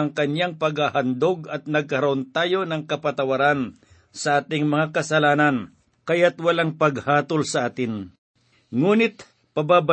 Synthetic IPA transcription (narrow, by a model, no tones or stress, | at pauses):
ɐŋkɐɲjaŋpɐɡhahɐnd̪oɡɐt̪̚nɐɡ̚kɐɾɐʔont̪aːjo̞nɐŋkɐpɐt̪ɐwɐɾan | sɐʔaːt̪ɪŋmɐŋakɐsɐlaːnɐn | kɐjat̪wɐlaŋpɐɡhaːt̪olsɐʔaːt̪ɪn | ŋuːnɪt̪̚ | pɐbaːba